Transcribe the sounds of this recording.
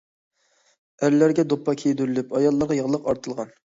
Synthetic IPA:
æɾlæɾɡʲɛd̪opːɑkʲʰejd̪yɾylypɑjɑlˠːɑɾʁɑjɑʁlˠəqɑɾt̪ʰɨlˠʁɑn

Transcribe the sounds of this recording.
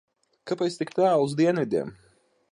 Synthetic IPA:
kapɛjt̪st̪ikt̪aːuzd̪iɛnvʲid̪ʲiɛm

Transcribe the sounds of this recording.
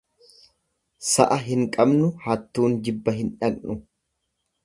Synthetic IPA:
sɐ̰ʔɐɦɪŋkʼɐbnʊhɐt̪ːuːnd͡ʒɪbːɐɦɪnᶑɐkʼnʊ

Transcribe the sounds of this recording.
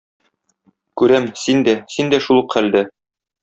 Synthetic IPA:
kʉɾæmsind̪æsind̪æʃulˠuqχæld̪æ

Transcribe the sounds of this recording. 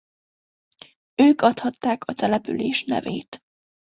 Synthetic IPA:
øːkɒt̪hɒt̪ːaːkʰɒt̪ɛlɛpy̰leːʃnɛ̰veːt̪

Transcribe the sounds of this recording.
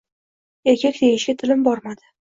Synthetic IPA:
e̞ɾkʲʰakʲd̪̥ejɪʃɡʲat̪ʰɪlɪmbɒɾmad̪ɪ

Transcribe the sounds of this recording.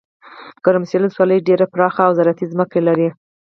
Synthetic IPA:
kəɾamsjeləswɑləjɖeɾapɾɑxaːwzaɾat̪izməkelaɾi

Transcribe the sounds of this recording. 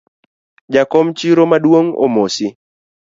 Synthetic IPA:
d͡ʒakɔmt͡ʃiɾomadwoŋo̰mosɪ

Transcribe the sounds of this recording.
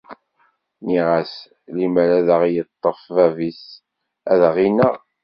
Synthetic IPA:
niʁæs | liməɾæðəʁjət̪ˤːəfvævis | æðəʁinæ

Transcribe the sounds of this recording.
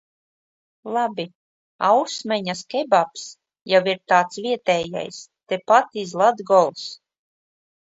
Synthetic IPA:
lˠabi | awsmʲɛɲaskʲɛbaps | jawiɾt̪aːt̪svʲiɛt̪ɛːja̰jst̪epat̪izlˠad̪ɡɔlˠs

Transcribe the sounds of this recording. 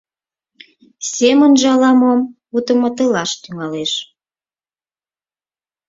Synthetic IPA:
semənʒɑlɑmom | ut̪ə̆mət̪əlɑʃt̪yŋɑleʃ

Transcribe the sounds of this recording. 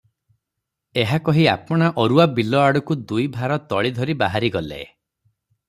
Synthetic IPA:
eɦakɔɦiapɔɽ̃aʔɔɾuabilɔaɽɔkud̪ujbʱaɾɔt̪ɔɭid̪ʱɔɾibaɦaɾiɡɔlḛ

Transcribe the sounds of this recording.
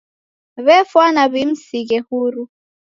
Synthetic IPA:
βɛfwanaβim̩siɣɛhuɾu

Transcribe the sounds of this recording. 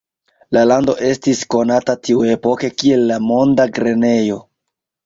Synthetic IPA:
lalando̞ʔe̞stisko̞natatiue̞po̞ke̞kie̞lːamo̞ndaɡɾe̞ne̞jo̞

